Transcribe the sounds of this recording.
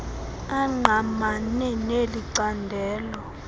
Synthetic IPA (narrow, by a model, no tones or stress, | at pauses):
aŋ͡ǃʱamanɛneliǀandʱɛːlɔ